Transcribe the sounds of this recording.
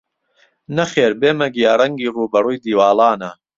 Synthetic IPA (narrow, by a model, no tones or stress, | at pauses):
nɐχeːɾbeːmɐɡijaːrɐŋɡiːruːbɐruːjd̪iːwaːlɑːnɐ